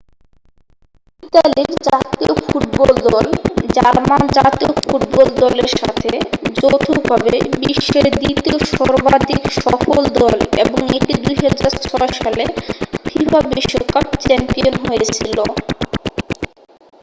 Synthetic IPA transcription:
it̪aliɾd͡ʑat̪iofuʈbɔld̪ɔld͡ʑaɾmand͡ʑat̪iofuʈbɔld̪ɔleɾʃa̰t̪ʰed͡ʑot̪ʰubʱabebiʃːeɾd̪it̪ioʃɔɾbad̪ʱikʃɔfold̪ɔlḛboŋeʈid̪ujɦad͡ʑaɾt͡ɕʰɔoʃalepʰifabiʃːokap̚t͡ɕɛmpionɦojet͡ɕʰilo

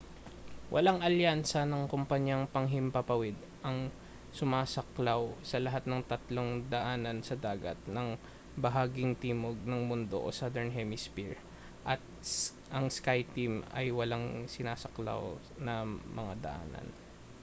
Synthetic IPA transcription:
wʔɐ̰laŋʔɐljansɐnɐŋkompɐɲjaŋpɐŋɦɪmpɐpɐwɛd̪̚ | ʔɐŋ | sʊmaːsɐklawsɐlɐɦat̪̚nɐŋt̪ɐt̪loŋd̪ɐʔaːnɐnsɐd̪aːɡɐ̰t̪̚nɐŋ | bɐɦaːɡɪŋt̪iːmoɡ̚nɐŋmʊnd̪o̞̰ʔo̰sad̪ɛɹnɦɛmɪspiɹ | ʔɐt̪̚ | ʔɐŋskajt̪imɐ̰jwɐlaŋsɪnaːsɐkla̰w | nɐmɐŋa̰d̪ɐ̰ʔa̰ːnɐ̰n

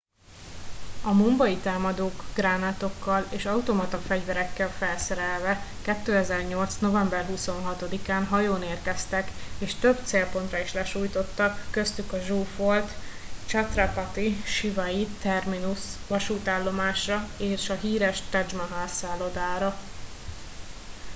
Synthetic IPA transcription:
ɒmombɒit̪aːmɒd̪oːɡɡraːnaːt̪o̞kːɒleːʃɒut̪omɒt̪ɒfɛɟvɛɾɛkːɛlfɛlsɛɾɛlvɛkɛt̪ːøːɛzɛrɲo̞lt̪sno̞vɛmbɛrɦuso̞nɦɒt̪o̞d̪ikaːnɦɒjoːneːrkɛst̪ɛkeːʃt̪øbt̪seːlpo̞nt̪rɒiʃlɛʃuːjt̪o̞t̪ːɒkːø̞st̪ykɒʒuːfo̞lt̪t͡ʃɒt̪rɒpat̪iʃivɒjit̪ɛrminusʋɒʃuːt̪aːlːo̞maːʃrɒeːʃɒɦiːɾɛʃt̪ɛd͡ʒmɒɦaːsaːlod̪aːɾɒ

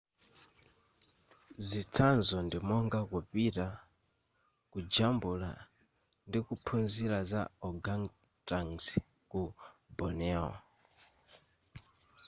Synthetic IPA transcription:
zitʰanzɔndimɔŋɡakupita | kud͡ʒambula̰ | ndikupʰunzilaza̰ɔɡaŋ | taŋs | kubɔnɛɔ̰

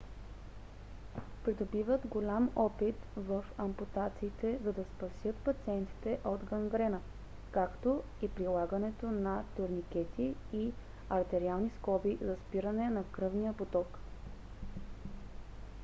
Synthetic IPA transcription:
pɾid̪obivət̪ɡolʲamɔpit̪vəfɐmput̪at̪siːt̪ɛzɐd̪ɐspɐsʲjɤt̪̚pɐt̪siɛnt̪i̥t̪ɛʔod̪ɡɐŋɡɾɛnə | kakt̪o | ipɾilˠaɡɐnɛt̪onɐt̪oɾnikɛt̪ʰiː | ɐɾt̪ɛɾialˠniskɔbizɐspiɾənɛnɐkɾɤvnijəpot̪ɔk

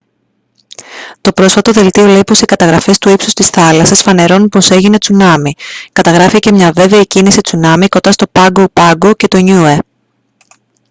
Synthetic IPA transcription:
t̪o̞pɾo̞sfɐt̪o̞ðe̞lt̪io̞le̞ipo̞sikɐt̪ɐɣɾɐfe̞st̪uipsust̪isθɐlɐsɐsfɐne̞ɾo̞nupo̞se̞ʝine̞t͡sunɐmikɐt̪ɐɣɾɐfice̞mɲɐve̞ve̞icinisit͡sunɐmiko̞nd̪ɐst̪o̞pɐɡopɐɡo̞ce̞t̪o̞ɲue

